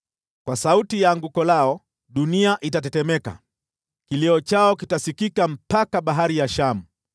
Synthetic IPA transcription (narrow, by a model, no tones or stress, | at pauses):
kwasautijaŋɡukɔlaɔ | ɗuniaʔitatɛtɛmɛka̰ | kiliɔt͡ʃaɔkitasikikam̩pakaɓaɦaɾijaʃamu